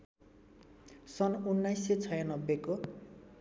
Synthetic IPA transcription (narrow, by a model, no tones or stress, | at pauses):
sʌnunːajset͡sʰʌjanʌbːeko